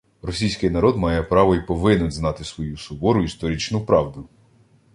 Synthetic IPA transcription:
ɾɔsʲijsʲkɪjnɐɾɔd̪mɑjɛpɾɑʋɔipɔʋɪnʊznɑt̪ɪsʋɔjusʊbɔɾʊist̪ɔɾʲit͡ʃnʊpɾɑwd̪ʊ

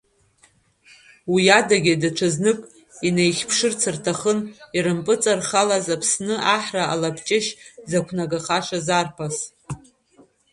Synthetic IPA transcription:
wiadaɡʲadaʈ͡ʂʷʰaznɨkʼ | inejχʲpʰʂɨrt͡sʰɨrtʰaχəniɾɨmpʼɨt͡sʼarχalazapʰsnɨʔaħraalapʰt͡ʃʼɪʃzakʷʰnaɡaχaʂazarpʰas

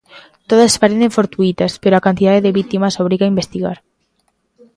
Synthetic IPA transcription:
t̪oðaspaɾeneɱfoɾt̪uit̪aspeɾoakant̪iðaðeðeβit̪imasoβ̞ɾiɣaimbest̪iɣa̰ɾ

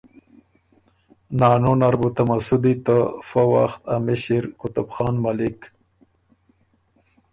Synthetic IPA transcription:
nɑːnonaɾbut̪amasud̪it̪əfawa̰xt̪amiɕiɾkʊt̪ʊbxɑːnmalɪk

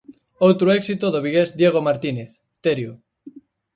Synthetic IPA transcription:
owt̪ɾoɛksit̪oðoβiɣezd̪jeɣ̞omaɾt̪ineθ | t̪eɾju

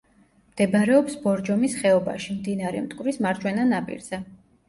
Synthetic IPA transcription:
md̪̥ɛbɾɛɔpsbɔɾd͡ʒɔmisχɛɔba̰ʃimd̪inaɾɛ̰mt̪ʼkʼwvɾismaɾt͡ʃʰwɛnanapʼḭɾz̥ɛ

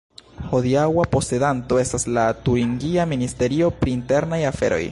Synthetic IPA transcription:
ho̞diawapo̞se̞danto̞e̞staslatuɾiŋɡiaministe̞ɾio̞pɾiːnte̞ɾnajafe̞̰ɾo̞̰j

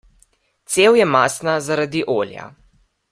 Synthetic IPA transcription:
t̪seːwjɛmaːsnazaɾad̪iʔoːlja̰

